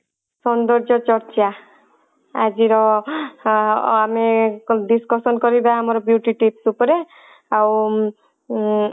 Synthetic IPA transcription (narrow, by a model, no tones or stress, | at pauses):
sɔnd̪ɔɾd͡ʒɔt͡ʃɔɾt͡ʃa | ad͡ʒiɾɔ | ameɖiskɔsɔnkɔɾibaamɔɾɔbjuʈiʈipsupɔɾe | aw